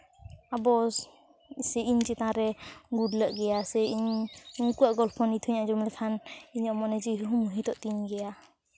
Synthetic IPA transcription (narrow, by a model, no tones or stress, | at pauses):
abɔs | sɛiɲt͡ʃɛt̪ãɾɛɡudləʔɡɛjasɛʔiɲuŋkuaʔɡɔlpʰɔnit̪ʰuɲad͡ʒɔmlɛkʰaniɲɔmɔnɛd͡ʒiɦuɦumuɦit̪ɔʔt̪iɲɡɛja